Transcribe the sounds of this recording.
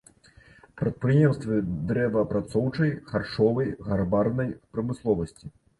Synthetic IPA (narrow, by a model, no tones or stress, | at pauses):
pɾɐt̪̚pɾɨjɛmst̪vʲɨd̪ɾɛvɐpɾat̪sɔwt͡ʂɐjxarʂɔvɐjɣarbarnɐjpɾɐmɨslˠɔvɐsʲt͡sʲi